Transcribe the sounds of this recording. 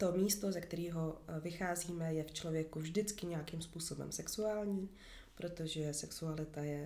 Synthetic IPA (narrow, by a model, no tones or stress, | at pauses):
t̪o̞miːst̪ozɛkt̪ɛɾiːɦo̞vɪxaːziːmɛjɛft͡ʃlo̞vjɛkuvʒdɪt͡skɪɲɛjakimspuːso̞bɛ̰msɛksuaːlɲiː | pɾo̞t̪o̞ʒɛsɛksualɪt̪ajɛ